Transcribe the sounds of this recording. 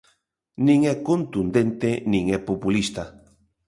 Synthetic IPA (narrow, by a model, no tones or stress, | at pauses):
nĩŋɛkont̪und̪ent̪enĩŋɛpopulist̪a